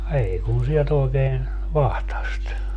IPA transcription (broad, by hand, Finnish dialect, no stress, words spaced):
ei kun̞ sielt oi̯keːn ʋɑhtɑst